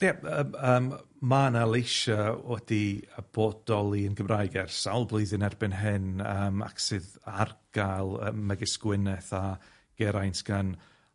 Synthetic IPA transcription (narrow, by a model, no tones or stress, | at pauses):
jaəəːm | manalˠejʃawɛdiəb̥ɔd̥ɔlˠiənɡəmrajɡɛrsawlˠblˠɨɨðɨnɛrbɪnɦɪnəːma̰ksɨðarɡ̥alˠəməɡɪskwɪnɛθa | ɡ̥ɛɾajntɡ̥an